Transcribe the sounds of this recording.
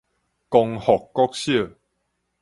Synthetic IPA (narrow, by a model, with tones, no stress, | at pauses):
kɔ˧ŋhɔ˨kːɔ˦˥k̚ɕjə˥˧˨